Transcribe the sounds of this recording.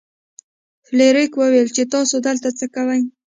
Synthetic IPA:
fleɾikwəwelt͡ʃet̪ɑsod̪əlt̪at͡səkawaj

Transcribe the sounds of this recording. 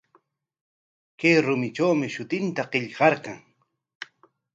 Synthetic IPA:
kajɾʊmɪʈ͡ʂawmɪʃʊt̪ɪnt̪aqeʎɢɑɾkɑŋ

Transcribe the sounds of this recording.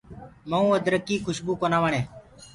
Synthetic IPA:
məũːəd̪ɾəkːiːkʰʊʃbuːkoːnãːʋəɳẽː

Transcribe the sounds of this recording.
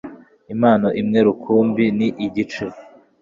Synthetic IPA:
imaːnoʔimŋe̞ɾukʰuːmbiniʔiɟit͡ʃu

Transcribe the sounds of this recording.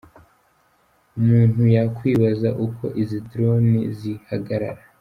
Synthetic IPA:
umuːn̥hujakwiːβazaʔuko̞̰ʔizidɾo̞nizihaɡaɾa̰ɾa

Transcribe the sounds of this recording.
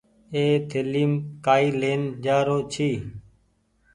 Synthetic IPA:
eːt̪ʰeliːmkaːiːleːnd͡ʒaːɾoːt͡ʃʰiː

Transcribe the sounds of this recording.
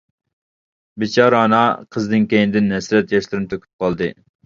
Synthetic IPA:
bɪt͡ʃʰɑɾːnɑqʰəzd̪ɨnkʲejnɪd̪ɪnɦɛsɾɛt̪jɑʃlˠɨɾnɪt̪ʰøkʲʰy̥p̚qʰɑlˠd̪ɨ

